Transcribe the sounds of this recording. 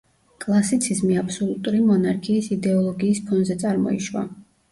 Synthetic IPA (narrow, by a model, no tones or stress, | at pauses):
kʼlˠasit̪sʰizmiapsɔlˠut̪ʼuɾimɔnaɾkʰiːsid̪ɛɔlˠɔɡiːspʰɔnzɛt̪sʼaɾmɔ̰ḭʃwa̰